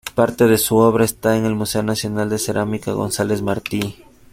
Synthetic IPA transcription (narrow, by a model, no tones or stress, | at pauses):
paɾt̪e̞ðe̞suo̞β̞ɾaest̪aeŋe̞lmuse̞onasjo̞nald̪ese̞ɾʔamikaɣo̞̰nsale̞zmaɾt̪i